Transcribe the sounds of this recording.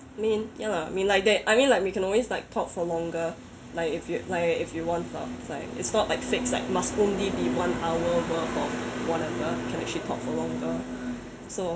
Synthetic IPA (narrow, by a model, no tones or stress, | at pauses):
amĩnjalaa̰mĩnlaɪk̚dɛʔaɪmĩnlaɪkwikʰɛ̃nɔlweslaɪk̚tʰɔp̚fɔlɔ̃ŋɡə | laɪkɪfjulaɪkɪfjuwɔ̃ntɔ̰tlaɪkɪ̰tsnɔʔlaɪkfɪksla̰ɪkmastõnlibiwãnawəwəkɔwɔnɛvəkʰɛ̃nɛk̚t͡ʃəlitʰɔ̰p̚fɔlɔ̃ŋɡə | so